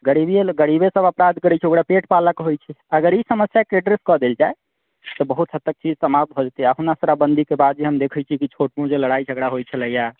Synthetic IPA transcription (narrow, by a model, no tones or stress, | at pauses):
ɡəɽibieɡəɽibesəbəpɾad̪ʱkəɾɛt͡ʃʰɛokɽapeʈpaləkɦojt͡ʃʰɛəɡəɾisəməsjakɾeɖɾeskɔd̪eld͡ʒae | t̪ɔbəɦut̪ɦət̪ːək̚t͡ʃid͡ʒsəmab̪̚bʱod͡ʒt̪iaɦunasəɾabənd̪ʱikebad̪̚d͡ʒeɦəmd̪ekʰɛjt͡ʃʰikit͡ʃʰoʈmũd͡ʒeləɽajd͡ʒʱəɡɽaɦojt͡ʃʰɛləja